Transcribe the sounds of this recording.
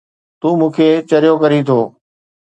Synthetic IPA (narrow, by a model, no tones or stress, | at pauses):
t̪uːmũːkʰet͡ɕɐɾijokɐɾit̪ʰoː